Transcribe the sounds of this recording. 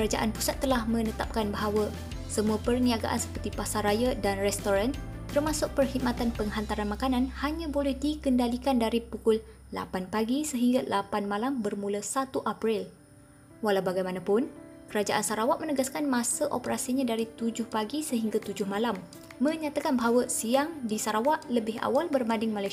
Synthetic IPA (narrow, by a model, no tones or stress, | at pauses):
kəɾad͡ʒaʔanpusat̪ːəlahmə̃nət̪ap̚kanbaɦawa | səmuapərniaɡa̰ʔansə̥pərt̪ipasarajadanrɛst̪oɾant̪ərmãsʊk̚pərhit̚mat̪anpəŋɦant̪aɾanmakanãnhaɲãbolɛhdikəndalikandaɾipukʊl | la̰panpaɡisəɦiŋɡalapanmãlambərmulasat̪uʔapɾɪl | walawbaɡajmanãpʊnkəɾad͡ʒaʔansaɾawaʔmənəɡaskanmãsəʔopəɾasiɲãdaɾit̪ud͡ʒʊhpaɡisəɦiŋɡat̪ud͡ʒʊhmalamː | ə̃ɲat̪akanbaɦawəsiaŋdisaɾawaʔləbɪɦa̰walbərmãndɪŋmalaj